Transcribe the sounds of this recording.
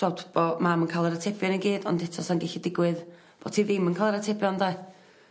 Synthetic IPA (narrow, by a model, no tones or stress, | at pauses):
ɔtb̥ɔmamənkʰalˠɛɾatʰɛpjɔnənɡiːdɔ̰ndɛtʰɔsanɡɛɬidɪɡwɨð | b̥ɔtʰiːðɪmənkʰalˠɛɾatʰɛpʰjɔnda